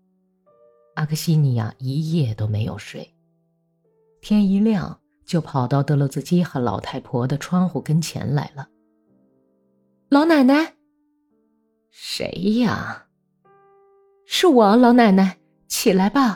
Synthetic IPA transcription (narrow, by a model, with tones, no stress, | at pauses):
a˥˩kʰə˥˧ɕi˥ni˨˩a̰˧˩i˧˥jɛ˥˩t̪o˥ʊme˧˥ɪjo̰˨˩ʊʂwe˥˩ɪ | t̪ʰjɛ˥ni˧˥ljɑ̰˥˧˩ŋ | t͡ɕjo˥˩ʊpʰɑ˨˩ʊt̪ɑ˥˩ʊt̪ɤ˧˥lɔ˧ʊt͡sɹ̩˥˧t͡ɕi˥xə˧˥lɑ̰˨˩ʊt̪ʰa˥˩ɪpʰwɔ˧˥d̪ə˨ʈ͡ʂʰwɑ˥ŋxu˨˩kə˥nt͡ɕʰjɛ̰˧˥nla̰˧˥ɪlə˧ | lɑ˧˥ʊna˨˩na˧˥n | ʂḛ˧˥ɪa̰˨˩ | ʂɻ̩˥˩wɔ˨˩lɑ˧˥ʊna˨˩ɪna˧˥ɪ | t͡ɕʰi˨˩la˧˥ɪba˧